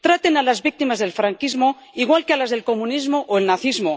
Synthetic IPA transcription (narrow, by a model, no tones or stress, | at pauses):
t̪ɾat̪enalazβik̚t̪imazðe̞lfɾaŋkizmo | iɣwalkealazðelko̞mũnizmoʔoelnaθizmo